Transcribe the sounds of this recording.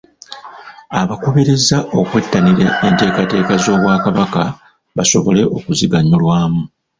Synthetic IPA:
aβakoβeɾe̞zaʔo̞kwe̞tːaniɾaente̞ːkate̞ːkazo̞ːβwaːkaβaka | βaso̞βo̞le̞ʔo̞kuziɡaɲolwaːmu

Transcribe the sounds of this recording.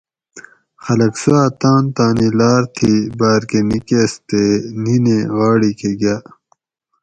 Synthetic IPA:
xɐlɐksuaːt̪ãːnt̪ãːnilaːɾt̪ʰibaːɾkenikeːst̪enineɣaːɽikeɡjaː

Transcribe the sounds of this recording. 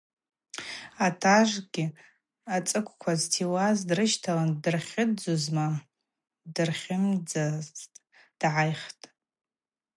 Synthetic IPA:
atʰaʐɡʲɪ | at͡sʼɨkʷʰʼkʷʰaztʰiwazdrɨʃtʰalandɨrχʲɪdd͡zuzma | dɨrχʲɪmd͡zaztʼ | d̥ʕajχtʼ

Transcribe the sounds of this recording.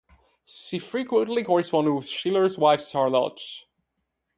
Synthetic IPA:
ʃifɹikwə̃ntlikʰɔɹɪspɔ̃ndwɪð̥ʃilˠə˞zwaɪfstʰɑɹlɔ̰t

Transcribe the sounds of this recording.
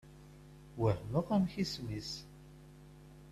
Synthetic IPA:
wəhməʁæmçismis

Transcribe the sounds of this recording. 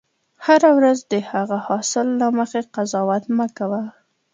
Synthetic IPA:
haɾawɾazd̪əhaɣahɑsɪlːaməxeqazɑwat̪makawa

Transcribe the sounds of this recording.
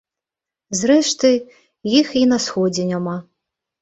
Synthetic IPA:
zɾɛʂt̪ɨ | jixinɐsxɔd͡zʲɪnʲama

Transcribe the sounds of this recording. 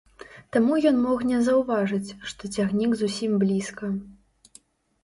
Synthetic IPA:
t̪amujɔnmɔxnʲɛzɐwvaʐɨt͡sʲʂt̪ɔt͡sʲaɣnʲiɡzusʲimblʲiskɐ

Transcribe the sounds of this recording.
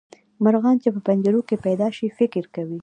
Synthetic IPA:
maɾɣɑnt͡ʃepəpand͡ʒaɾokepajd̪ɑʃifɪkɾkawi

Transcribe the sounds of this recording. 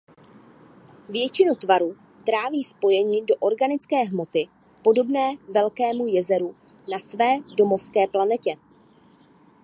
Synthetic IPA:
vjɛt͡ʃɪnut̪vaɾu | t̪ɾaːviːspo̞jɛɲɪdo̞ʔo̞ɾɡanɪt͡skɛːɦmo̞t̪ɪ | po̞do̞bnɛːvɛlkɛːmujɛzɛɾu | nasvɛːdo̞mo̞fskɛːplanɛcɛ

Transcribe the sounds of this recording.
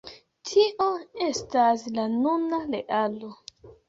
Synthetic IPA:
tʰiʔoe̞staslanunaleʔalo̞

